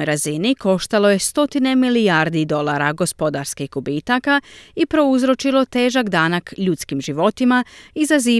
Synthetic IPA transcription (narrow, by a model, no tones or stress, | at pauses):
jɾaziniko̞ʃt̪alo̞je̞st̪o̞t̪ine̞miliaɾd̪id̪o̞lˠaːɾaɡo̞spo̞d̪aɾskixɡubiːt̪akaipɾo̞uzɾo̞t͡ʃilo̞t̪e̞ːʒakd̪aːnakʎut̪skimʒiʋo̞t̪imaizaziː